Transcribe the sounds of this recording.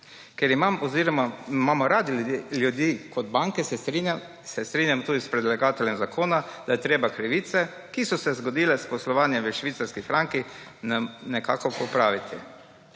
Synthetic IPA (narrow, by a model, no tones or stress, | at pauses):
kɛɾimamɔziɾɔmamamɔɾaːd̪iljud̪jiːkʰɔd̪baŋkɛsɛi | sɛst̪ɾiːnjamt̪uːd̪ispɾɛd̪laɡaːt̪ɛljɛmzakʰoːnad̪ajɛt̪ɾeːbakɾiʋiːt̪sɛ | kisɔsɛzɡɔd̪ilɛspɔslɔʋaːnjɛmʋəʃʋit̪saɾskifɾaŋkinnɛka̰ːkɔpɔpɾaːʋit̪ʰi